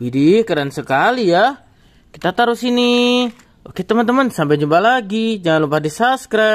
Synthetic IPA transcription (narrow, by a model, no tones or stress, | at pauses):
bidikaɾansəkalija | ki̥t̪at̪aɾusini | oket̪əmənt̪əmənsampɛd͡ʒumbalaɡid͡ʒaŋanlupadisaskɾa